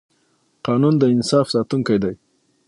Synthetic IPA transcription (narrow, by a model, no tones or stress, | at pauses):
qɑnund̪əɪnsɑfsɑt̪uŋkajd̪aj